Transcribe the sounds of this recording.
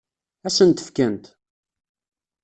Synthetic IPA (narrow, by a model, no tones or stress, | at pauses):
æsənt̪ə̥fkænt̪